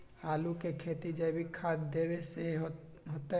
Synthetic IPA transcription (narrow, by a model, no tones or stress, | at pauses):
aːlukekʰeːt̪id͡ʒəbʱikʰaːd̪d̪eːweseɦ | ɦot̪a